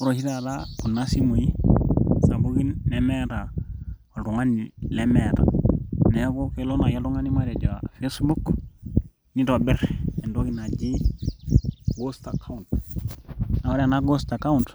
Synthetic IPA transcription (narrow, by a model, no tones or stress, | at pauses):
uɾoʃitadakunːasimoji | nabuɡinːemeta | oduŋanilemeta̰nekokelonajaluŋanimaɾeɟafesbuk | nitobɛɾendokinaɟi | ɡostakaunt | nawaɾenaɡostakaunt